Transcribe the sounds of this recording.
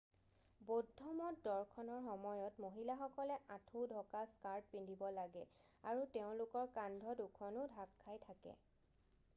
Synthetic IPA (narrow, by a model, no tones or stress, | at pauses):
bodʱɔmɔtdɔɹkʰɔnɔɹxɔmɔjɔtmoɦilaxɔkɔlɛʔãtʰudʱɔkaskaɹd̚pindʱibɔlaɡɛ | aɹuteʊ̃lʊkɔɹkandʱɔdukʰɔnʊdʱakʰːajtʰakɛ̰